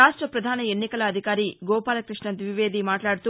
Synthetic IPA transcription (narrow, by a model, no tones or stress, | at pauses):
aːʂʈɾɐpɾɐd̪ʱaːnɐe̞nːikɐlɐːd̪ʱikaːɾiɡɔːpaːlɐkɾiʂɳɐd̪ʋiʋe̞ːd̪imaːʈlaːɽut̪uː